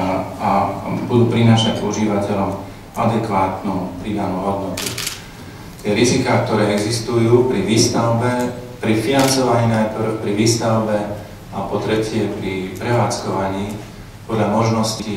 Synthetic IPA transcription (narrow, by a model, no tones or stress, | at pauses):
abud̪uːpɾinaːʃacṵʒiːʋacɛʎɔm | a̰d̪ɛkʋaːt̪nupɾiːd̪anuːɦɔd̪nɔt̪u | t̪ɪɛɾizikaːk̚t̪ɔɾɛːɛɡzist̪ujuːpɾiʋiːst̪aʊbɛpɾifinant͡sɔʋaɲiːnajpr̩xpɾiʋiːst̪aʊbɛ | apɔt̪ɾɛcɪɛpɾipɾɛʋaːt͡skɔʋaɲiː | pɔd̪ʎamɔʒnɔsci